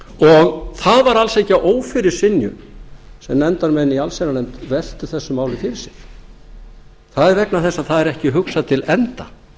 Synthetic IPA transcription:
ɔɣθaðvaɾalsejcaʔoːwfɪɾɪɾ̥sɪnjʏ̰sɛmnɛnt̪aɾmɛnialsenanɛmt̪vɛl̥t̪ʏ̥θɛsːʏmaːwlɪfɪɾɪɾ̥sɪɾ̥ | θaðɛɾvɛknaθɛsːaθaðɛɾɛhcɪɦʏksat̪ʰɪlɛnt̪a

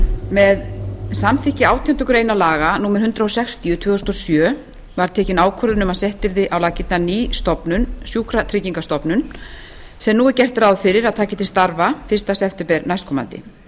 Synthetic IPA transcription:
mɛðsamθɪhcɪaːwt̪ʰijɔnt̪ːʏkʏɾeːjnalaːɣanuːmɛɾhʏnt̪ɾaɔsɛxst̪iʏt̪ʰvʏːðʏst̪ɔsjœː | vaɾ̥t̪ʰɛːcɪnaːwkʰɔɾðʏnʏmaðsɛht̪ɪɾðɪʔawlaːcɪt̪naniːst̪ɔpnʏnsjuːkɾat̪ʰɾɪciŋkast̪ɔpnʏn | sɛmnuːɣɛcɛr̥t̪aɾawðfɪɾɪɾaðt̪ʰaːcɪt̪ʰɪ̥st̪aɾvafɪrst̪asɛft̪ɛpɛɾnajs̚kʰɔma̰nt̪ɪ̰

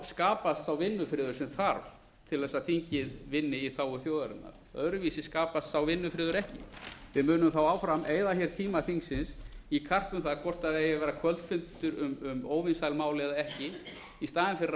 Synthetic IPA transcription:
skaːpast̪θawvɪnːʏfɾɪːðʏɾ̥sɛmθaɾv | t̪ʰɪlɛsaðθiɲcɪðvɪnːɪiθaːwʏθjowðaɾɪ̰t̪na̰ɾ̥œðɾʏviːsɪskaːpast̪θawvɪnːʏfɾɪːðʏɾɛhcɪ̰vɪðmʏːnʏmθawaːwfɾamʔeːjðaçɛɾ̥t̪ʰiːmaθiŋksɪnsikʰar̥p̪ʏmθaðkʰvɔr̥t̪aðɛjɪvɛːɾakʰvœlt̪fʏnt̪ʏɾʏmʏmoːwvɪnsajlmaːwlɛðaɛhcɪ | ist̪aːðɪnfɪɾɪ

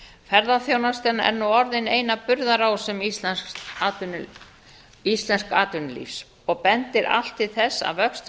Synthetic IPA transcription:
fɛɾðaθjownast̪ɛnaɛ̰ɾnuɔɾðɪneːjnapʏɾðaɾaːwsɛmislɛsn | ist̪lɛnskaːt̪ʏnlḭfs | ɔɣpɛnt̪ɪɾʔa̰l̥t̪ɪðθɛsːa̰ðvœkst̪

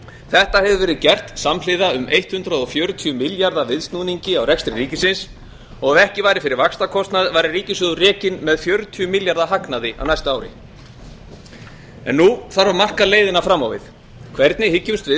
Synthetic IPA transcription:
θɛht̪ahɛvʏvɛːɾɪðcɛr̥t̪saml̥ɪðaʏmejht̪hʏnt̪ɾaðɔfjœːɾʏt̪ʰyʏmɪljaɾðavɪðst̪nuːniɲcɪawrɛkst̪ɾɪɾiːcɪsɪns | ɔɣaɛhcɪvaːjɾɪfɪɾɪɾvakst̪akʰɔst̪naðvaːjɾɪriːcɪsʏðʏrɛːcɪnmɛðfjœɾʏt̪ʰyʏmɪljaɾðaɦaknaðɪa̰wnajst̪ʏaːwɾɪ̰ | ɛ̰nːuθaɾvaɾmar̥kaleːjðɪnafɾamawvɪ̰ð̥ | kʰv̥ɛɾt̪nɪhɪcːʏmst̪vɪ

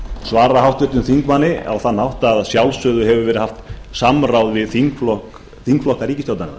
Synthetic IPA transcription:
svaːɾaɦawht̪vɪht̪ʏmθiŋkmanːɪa̰wθanːhawht̪aðsjawlsœðʏɦɛvʏvɛɾɪhaft̪samrawðvɪðθiŋkflɔhk | θiŋkflɔhkaɾiːcɪst̪owt̪anɪ̰

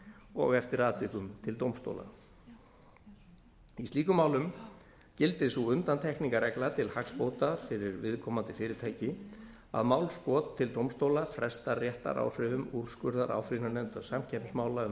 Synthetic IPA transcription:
ɔ̰ɣɛft̪ɪɾaːt̪vɪkʏmt̪ʰɪlt̪owmst̪o̰wla̰ | isiːkʏmaːwlʏm | cɪlt̪ɪsuʏnt̪ant̪ʰɛhkniŋkaɾɛklat̪ʰɪlhakspowt̪afɪɾɪɾvɪðkʰɔːmant̪ɪfɪːɾɪɾt̪ʰaːjcɪ | a̰ðmawlskɔːt̪ʰːɪlt̪owmst̪oːwlafɾɛst̪arjɛht̪a̰ɾʔa̰wr̥ɪvʏmuɾ̥skʏɾðaɾʔa̰ːwfɾinanɛnt̪asamcʰɛpsmaːwlaʏ

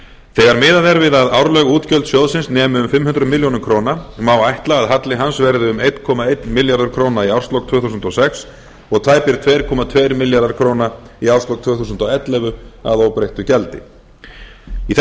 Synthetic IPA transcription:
θɛːɣaɾmɪːðaðɛɾvɪðaðaːwɾlœɣuːt̪cœlt̪sjɔwðsɪnsnɛːmʏʏmfɪmːhʏnt̪ɾʏmɪljownʏmkʰɾoːwnamawajht̪laaðɦat̪lɪɦansvɛɾðʏʏmejt̪kʰɔːmaejt̪mɪljaɾðaɾ̥kʰɾoːwnaiawɾst̪lɔwk̚t̪ʰvœːhθuːsʏnt̪ɔsɛks | ɔɣt̪ʰaːjpɪɾ̥t̪ʰveːjɾ̥kʰɔːmat̪ʰvejɾmɪljaɾðaɾ̥kʰɾoːwna | iawrst̪ɔwk̚t̪ʰvʏːθuːsʏnt̪ɔwɛt̪lɛvʏa̰ðowpɾejht̪ʏcɛlt̪ɪ̰ | iθ

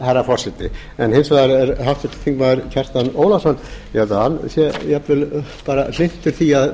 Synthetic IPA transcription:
haɾafɔr̥sɛt̪ɪ̰ | ɛnhɪnsvaːðaɾɛɾɦawft̪sɛt̪ɪ̥θʰiŋkmaðaɾcʰɛr̥st̪anoːwlasɔnːjɛɛt̪ahansjɛjapvɪlpaːɾal̥ɪn̥t̪ʏɾ̥θiað

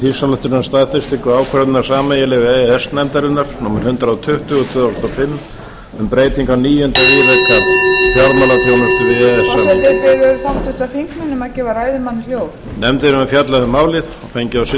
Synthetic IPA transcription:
θiɾ̥salaht̪ʏɾnamst̪aːðfɪst̪ɪŋkʏaːwkʰvɛɾnaɾ̥saːmɛjɛlɛvɪɛɛsnɛmt̪aɾɪnaɾ̥nɔmɪɾ̥hʏnt̪ɾaːwt̪ʰʏht̪ʏɔt̪ʰœːðast̪ɔfɪmː | ʏmpɾeːjt̪iŋkawniːjʏnt̪aɾiːlɛhkafjaɾmalat̪ʰoːwmʏst̪ʏɾɪɛɛsɛɪɾfɛjʏɾfawht̪uht̪aθiŋknanɛmacɛːvaɾaːjðʏmanːɪljoːwfnɛmt̪ɪɾʏmɛfjat̪laɣʏmaːwlɪðɔfejɲcɪawsɪ

